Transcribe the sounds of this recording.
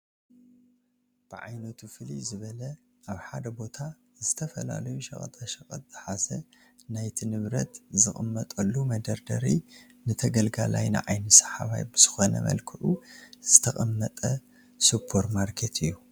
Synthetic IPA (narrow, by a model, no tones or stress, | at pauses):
b̥ɨʕa̰jnɐt̪ʰufɨlḭzɨβɐlɐ | ʔaβħad̪ɐbo̞t̪ʰa | zɨt̪ʰɐfɐla̰lɐjuʃɐ̰χʼɐ̰t̪ʼaʃɐxʼɐ̰t̪̚z̥ɨħasɐ | najt̪ʰinɨβɾɐ̰t̪zɨxʼɨmːɐt̪ʼɐlːumɐd̪ɐɾd̪ɐɾi | nɨt̪ʰɐɡɐlɡala̰jnɨ̰ʕajnɨsɐ̥ħaβa̰jbɨz̥ɨxo̞nɐ̰mɐ̰lkʰɨʕuz̥ɨt̪ʰɐxʼɐmːɐt̪ʼɐ | supʰːo̞ɾmaɾkʰe̞t̪ʰɨjːu